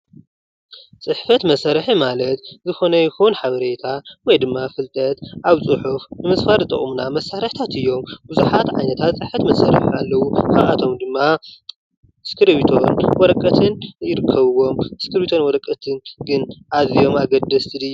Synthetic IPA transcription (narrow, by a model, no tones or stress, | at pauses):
t͡sʼɨħfɐt̪mɐsaɾħimalɐt̪zɨxo̞nɐjɪxunħaβɐɾe̞t̪ʰawɔjd̪ɨmːafɨlt̪ʼɐt̪ʔaβt͡sʼɨħufnɨmɨsfaɾt̪ʼɨ̰χʼumuna̰mɐsːaɾɨħt̪ʰat̪ʰɨjːo̞mbuzuħat̪ʕa̰jnɐt̪ʰat̪t͡sʼɨħfɐt̪mɐsaɾ̰ħialːɐwukaβʔat̪ʰo̞md̪ɨmːa | ɨskʰɨɾβit̪ʰo̞nwɔɾɐkʼːɐt̪ʰɨnjɪɾɨkʰːɐβɨwo̞mɨskɨɾβit̪ʰo̞nwɔɾɐkʼːɐt̪ʰɨnɡɨnʔazijo̞maɡɐd̪ːɐst̪ʰɨlɨjːu